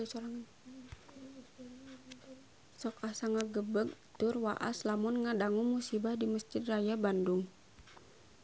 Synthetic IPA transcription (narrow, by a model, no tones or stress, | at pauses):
soɾaŋ | sɔkahsaŋaɡəbəɡ̚t̪ʊrwa̰ʔa̰slamʊnŋadaŋumusibahdiməsd͡ʒɪd̪̚rajabandʊŋ